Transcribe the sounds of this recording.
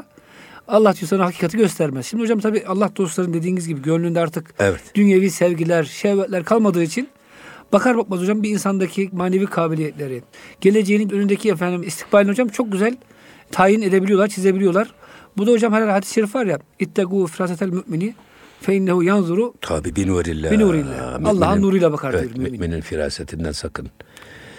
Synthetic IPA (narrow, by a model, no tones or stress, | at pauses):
alˠːaht̪yjsˠaɾnahacʰiːkʰat̪ʰɯɟøst̪ʰæɾmɛz̥ʃimd̪ihod͡ʒamt̪ʰabiːʔalˠːahd̪o̞slˠaɾɯnd̪e̞d̪iːnizʲɟibiɟøɾlʲyːnd̪ɛaɾt̪ʰɯkɛvɛt̪d̪̥ynjeviːsɛvɟilʲæɾʃɛvɛt̪lʲæɾkʰalˠmad̪ɯːit͡ʃʰin | b̥akʰaɾbak̚mazod͡ʒambiːnsand̪acʰimaːneviːkʰaːbilʲijɛt̪lʲeɾiɟ̥elʲe̞d͡ʒejininønynd̪ecʰiefænd̪imist̪ʰi̥kbaɾlʲinod͡ʒamt͡ʃʰo̞k̚ɟyzælʲ | t̪ʰaːjine̞d̪ebilijo̞lˠaɾt͡ʃʰize̞bilʲijo̞lˠaɾ̥bud̪aɦod͡ʒamhɛlʲælʲhad̪isʃeɾifvaɾjait̪ːaɡuːfiɾaːset̪ʰælʲmyʔmini | fɛinːahujanzuɾut̪ʰa̰bibinuuɾḭlʲːɛbinuɾilʲːɛ̰alˠːaːhannuːɾujlˠabakʰaɾijoɾummyymimininfiɾa̰ːset̪ʰind̪æ̰nsakʰɯn